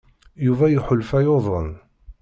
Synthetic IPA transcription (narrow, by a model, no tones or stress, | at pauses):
juvæjuħʊlfæjoðˤən